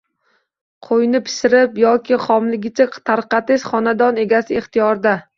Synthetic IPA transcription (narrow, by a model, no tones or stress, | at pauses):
qʰojnɪpʰɪ̥ʃɪɾɪpjɒkʲʰɪχɒmlɪɡʲɪt͡ʃʰat̪ʰaɾqɑt̪ɪʃχɒnad̪ɒne̞ɡʲasɪeχt̪ʰijɒɾd̪a